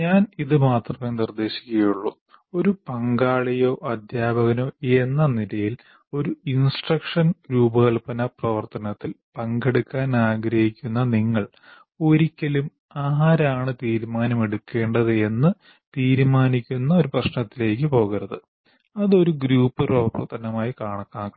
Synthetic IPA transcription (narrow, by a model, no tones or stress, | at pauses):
ɲaːniðɨmaːt̪rɐmenird̪e̞ːɕi̥kʲːɐɣɐjuɭːo | o̞ɾupɐŋɡaːɭijo̞ːʔɐd̪jaːbɐɣɐno̞ːe̞nːɐnilɐjil | o̞ɾuinsʈrɐkʂɐnɾuːbɐɣɐɭpɐnɐprɐʋɐrt̪ɐnɐt̪ːilpɐŋɡeɽukːaːnaːɡɾɐhikʲːunːɐniŋːɐɭ | o̞ɾikʲːɐlum | aːɾaːɳɨt̪iːɾmaːnɐmeɽukːe̞ːɳɖɐðɨe̞nːɨ | t̪iːɾmaːnikʲːunːɐo̞ɾuprɐɕnɐt̪ːile̞ːk̬ːɨpo̞ːɣiɾɐðɨ | ɐðo̞ɾuɡɾuːpːɨpɐɐpɐ̰rt̪ɐnɐmaːjikaːɳɐkːaː